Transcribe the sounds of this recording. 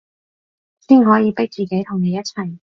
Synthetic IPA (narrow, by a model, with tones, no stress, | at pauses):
siː˥nɦɔː˨˥jiː˨˧pɪ˥k̚t͡siː˨ke˨˥jt̪ʰʊ˨˩ŋne˨˧jɐ˥t͡sʰɐ˨˩j